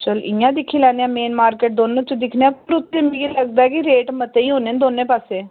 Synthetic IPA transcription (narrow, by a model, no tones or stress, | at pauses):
t͡ʃəlɪjãːd̪ɪkʰːiːlɛːneãːmeːnmaːɾkeːʈ̚d̪oːnːũt͡ʃed̪ɪkʰneãːkʊɾʊt̪ːemɡiləɡd̪aːɛkɪɾeːʈmət̪eːiːɦoːnẽːnd̪oːnːẽːpaːseː